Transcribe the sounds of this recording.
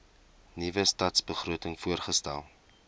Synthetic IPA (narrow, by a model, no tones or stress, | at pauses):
nivəstɐtsbəχruətəŋfuərχəstæ̰lˠ